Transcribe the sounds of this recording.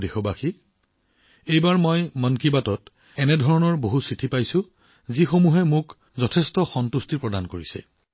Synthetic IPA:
dexɔbaxi | ejbaɹmɔjmɔnkibatɔt | ɛnɛdʱɔɹɔnɔɹboɦusɹitʰipajsʊ | zixomuɦɛmʊk | zɔtʰɛstɔxɔntustiɹpɹɔdankoɹisɛ̰

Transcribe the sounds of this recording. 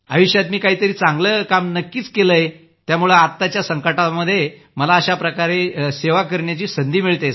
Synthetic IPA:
ə̰ʋiɕjat̪miːkaɦiːt̪əɾiːt͡sãŋɡləːkamnəkːiːt͡skeləje | t̪jamuɭəat̪ːat͡ɕjasəŋkəʈaməd̪ʱːje | məlaəɕapɾəkaɾeseʋakəɾɳjat͡ɕiːsənd̪ʱiːmiɭt̪aj

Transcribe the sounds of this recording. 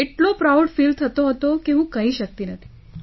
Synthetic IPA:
eʈlopɾauɖfilt̪ʰət̪oɦət̪okeɦũkəɦiʃək̚t̪inət̪ʰi

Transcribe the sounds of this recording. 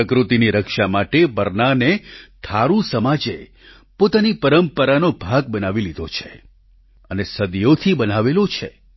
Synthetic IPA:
əkɾut̪iniɾəkʃamaʈebəɾnanet̪ʰaɾũsəmad͡ʒe | pot̪anipəɾəmpəɾanobʱaɡ̚bənaʋilid̪ʱot͡ʃʰe | ənesəd̪jot̪ʰibənaʋelot͡ʃʰḛ

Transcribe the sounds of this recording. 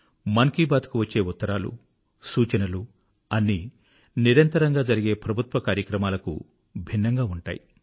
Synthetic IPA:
mɐŋkiːbaːd̪kuʋɐt͡ʃːe̞ːut̪ːɐɾaːlṵ | suːt͡ʃɐnɐlu | ɐnːi | niɾɐnt̪ɐɾɐŋɡaːd͡ʒɐɾiɡe̞ːpɾɐbʱut̪ʋɐkaːɾjɐkɾɐmaːlɐkṵ | bʱinːɐŋɡaːuɳʈa̰ːjḭ

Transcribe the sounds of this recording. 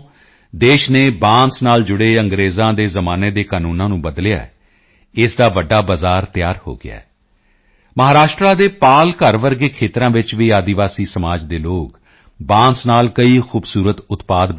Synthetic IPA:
d̪eːʃneːbãːnsnaːld͡ʒʊɽeːəŋɡɾeːzãːd̪eːzəmãːneːd̪eːkaːnuːnãːnũːbəd̪lɪja̰ːɛ̰ | ɪsd̪aːʋəɖːaːbazaːɾt̪ɪjaːɾho̰ːɡɪ̰a̰ː | məɦaːɾaːʃʈɾaːd̪eːpaːlkəɾʋəɾɡeːkʰeːt̪ɾãːʋɪt͡ʃʋiːaːd̪ɪʋaːsiːsəmaːd͡ʒd̪eːloːk | bãːnsnaːlkəiːxʰuːbsuːɾət̪ʊt̪paːd̪

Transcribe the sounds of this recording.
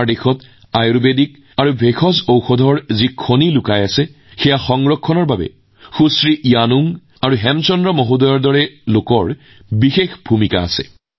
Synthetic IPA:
ɹdexɔt | ajɹubedik̚ | aɹubʱexʰɔzowxɔdʱɔɹzikʰonilukajasɛ | xɛjaxɔŋɹɔkʰːɔnɔɹbabɛ̰ | xusɹiʔijanuŋ | aɹuɦɛmt͡ʃɔndɹɔmɔɦudɔjɔɹdɔɹɛlokɔɹ | bixexbʱumika̰ːsɛ̰

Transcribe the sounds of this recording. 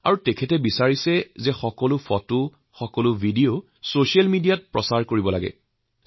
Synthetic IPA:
a̰ɹutɛkʰɛtɛbisaɹisɛzɛxɔkɔlʊfʰɔtʊ | xɔkɔlʊbʱidio | sosialmidijat̚pɹɔ̰saɹkoɹibɔlaɡɛ̰

